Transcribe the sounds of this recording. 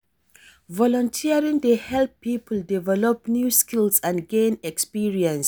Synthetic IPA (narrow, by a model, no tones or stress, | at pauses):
vɔlɔ̃ntʰiaɹĩŋdehɛlpːiːpʰəldivɛlɔpnjuːskilsãnɡẽnɛkspiɹiə̃ns